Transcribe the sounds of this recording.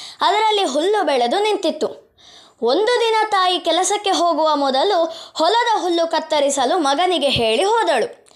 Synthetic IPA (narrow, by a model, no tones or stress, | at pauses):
ɐd̪ɐɾɐlːiɦulːubɛɭed̪unint̪it̪ːu | ond̪ud̪inɐt̪aːjikɛlɐsɐkːe̞ɦoːɡuʋɐmɔd̪ɐluhɔlɐd̪ɐɦulːukɐt̪ːɐɾisɐlumɐɡɐniɡe̞ɦe̞ːɭiɦɔːd̪ɐɭu